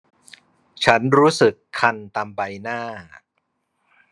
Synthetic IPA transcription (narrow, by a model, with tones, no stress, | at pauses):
t͡ɕʰa˦˥nɾuː˦˥sɯ˨˩kʰːa˧nt̪aː˧mba˧jnaː˥˩